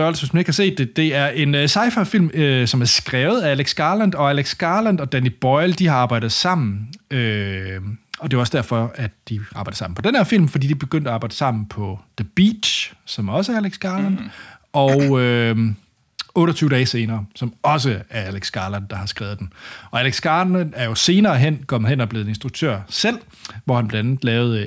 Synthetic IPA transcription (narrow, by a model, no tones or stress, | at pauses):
ɒlsynsmæneɡ̥hɑ̈se̝̰ːd̥ːe̝d̥e̝æɐʔe̝nøsɑ̈ɪfəfil̰msɒ̽mæɐsɡ̥ʁɛːʊð̞̩ˠææleɡ̥sɡ̥ɑ̈ːlænd̥ɒ̽æleɡ̥sɡ̥ɑ̈ːlænd̥ɒ̽d̥ænib̥ɒɪld̥iɑ̈ɑ̈ːb̥ɑ̈ɪd̥ð̩ˠsɑ̈m̰n̩ø | ɒ̽d̥e̝oɒsd̥æɐ̰fɒ̽æd̥d̥iɑ̈bɑ̈ɪ̥sɑ̈mn̩pʰɒ̽d̥enhæɐfil̰mfɒdḭːd̥ib̥e̝ɡ̥øn̰d̥æɑ̈b̥ɑ̈ɪd̥əsɑ̈m̰n̩pʰɒ̽d̥əb̥iːd̥ɕsɒ̽mɒ̽s̬əæɐæleɡ̥sɡ̥ɑ̈ːlænd̥ɒʊø | ɔːɾɐt͡sʰyːʊədɛːse̝ːnɐːsɒ̽mɒ̽s̬əæɐæleɡ̥sɡ̥ɑ̈ːlænd̥ɑ̈hɑ̈sɡ̥ʁɛːð̩ˠd̥enɒ̽æleɡ̥sɡ̥ɑ̈ːænæɐjo̝se̝ːnɐːɦen̰kʰɒ̽m̰ð̩ˠenɒb̥le̝ð̩ˠe̝nsd̥ʁuɡ̥̚t͡sʰø̰ɐ̰sel̰ | ʋɒhænb̥læn̥̩ˠlɛːʊð̩ˠ